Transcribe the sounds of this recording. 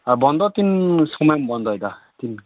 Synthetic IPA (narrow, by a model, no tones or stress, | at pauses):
aɾbɔnd̪ɔt̪insɔŋmambɔnd̪ɔid̪a | t̪in